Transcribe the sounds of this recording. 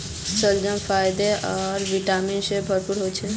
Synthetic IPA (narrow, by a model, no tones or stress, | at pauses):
səld͡ʒəmpʰajd̪eʔɔɾʋiʈaminsebʱəɾpuɾɦot͡ʃʰe